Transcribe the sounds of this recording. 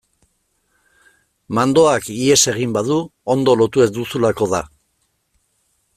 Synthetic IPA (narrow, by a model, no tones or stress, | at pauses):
mand̪o̞akie̞se̞ɣ̞imbaðuo̞nd̪o̞lo̞t̪ue̞zd̪usulako̞ða